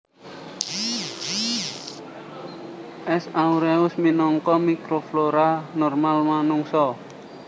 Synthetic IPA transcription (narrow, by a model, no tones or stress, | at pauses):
ʔɛsauɾɛʊsminɔŋkɔmikɾofloɾanɔrmalmanuŋsɔ